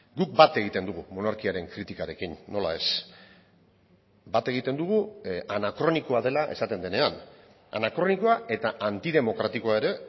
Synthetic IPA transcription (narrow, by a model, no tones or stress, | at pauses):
ɡuk̚bat̪e̞ɣ̞it̪e̞nd̪uɣ̞umo̞naɾkiaɾe̞ŋkɾit̪ikaɾe̞kinːo̞la̰e̞s | bat̪e̞ɣ̞it̪e̞nd̪uɣ̞uanakɾo̞niko̞aðe̞laʔe̞̰sat̪e̞nd̪e̞ne̞an | a̰nakɾo̞niko̞aʔe̞t̪aʔant̪ið̞e̞mo̞kɾat̪ikoae̞ɾe̞